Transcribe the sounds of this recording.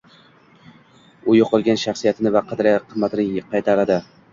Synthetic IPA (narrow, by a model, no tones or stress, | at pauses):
ʊjoqʰɨlˠɡʲanʃaχsijat̪ʰɪnɪvaqʰɑd̪ɾaqʰɨmːat̪ɪnɪqʰɑjt̪ʰaɾad̪ɪ